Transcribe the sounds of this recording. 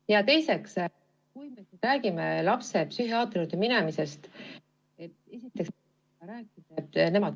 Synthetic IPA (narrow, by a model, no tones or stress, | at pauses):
jɑt̪e̞jse̞ks | kujmesiɾæːɡimelɑpse̞psyhiɑːt̪eɾut̪ːeminɛmise̞st̪ | e̞t̪e̞sit̪ːˑeks | ɑɾæːkːˑid̪̥ɑt̪ːˑne̞mɑ